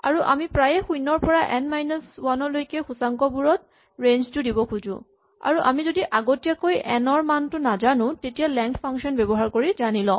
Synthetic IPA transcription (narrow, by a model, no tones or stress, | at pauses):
a̰ɹuʔa̰mipɹajɛxujnɔɹpɔɹaʔɛnmajnɔswanɔɹlojkɛxusaŋkɔbuɹɔt̚ | ɹenztʊdibɔkʰuzʊ̰̃ | a̰ɹuʔa̰mizodiʔaɡotijakojɛnɔɹmantʊnazanʊ̃tetijalɛŋkʰpʰaŋkʃɔnbɛbɔɦaɹkoɹizanilɔ̃